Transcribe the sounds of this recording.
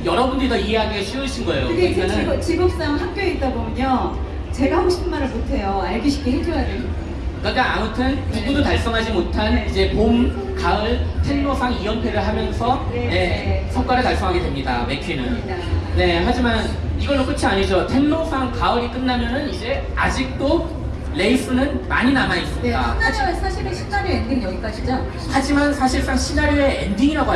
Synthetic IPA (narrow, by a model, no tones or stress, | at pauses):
jʌɾʌbundɯdoiɦeaɡiɯɕʰioɕʰinɡʌejoemʌnɯnt͡ɕiɡʌp̚s͈aŋɦak̚p͈jʌiːt͈̚abomjʌɲo | t͡ɕe̞ɡaɦoɕʰi̥pʰɯnmaɾɯɭmotʰe̞joaɭɡiɕʰi̥kʰeɦekʰʌɾadei | kak͈aamɯtʰɯntuɡudotaɭs͈ʌŋɦad͡ʑimotʰanid͡ʑe̞pom | kaɯɭtʰe̞nːosʰaŋiwʌnpʰe̞ɾɯɭɦamjʌnsʰʌne̞sʰʌŋk͈waɾɯɭkaɭs͈ʌŋɦaɡedwe̞mɲida̰me̞kʰinɯn | ne̞ɦad͡ʑiman | iɡʌnok͈ɯt͡ɕʰiaɲid͡ʑotʰe̞nːosʰaŋkaɯɾik͈ɯnːamjʌnɯnid͡ʑe̞ | ad͡ʑik̚t͈o | le̞is͈ʰɯnɯnma̰ɲinamais͈ɯmat͡ɕsʰaɕʰiɾɯɕʰi̥ɡaɾeendiŋʌɡik͈ad͡ʑit͡ɕ͈a | had͡ʑimansʰaɕʰiɭs͈aŋɕʰinaɾeendiŋiɾaɡo